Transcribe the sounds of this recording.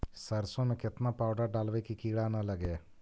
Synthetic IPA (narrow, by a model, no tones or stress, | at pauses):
səɾsõmẽkɪt̪napaːwɖaɖaːlʋekikiːɽanəlɐɡe